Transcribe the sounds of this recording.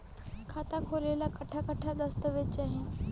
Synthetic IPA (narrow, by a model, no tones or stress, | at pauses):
kʰat̪akʰoɾelakəʈʰakəʈʰad̪əst̪əʋet͡ɕaɦɪn